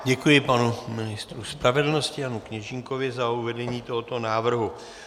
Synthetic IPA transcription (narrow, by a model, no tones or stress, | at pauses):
ɟɛkujɪpanumɪnɪst̪ɾuspɾavɛdl̩no̞scɪjanukɲɛʒɪŋko̞vɪzauvɛdɛɲiːt̪o̞ɦot̪o̞naːvr̩ɦu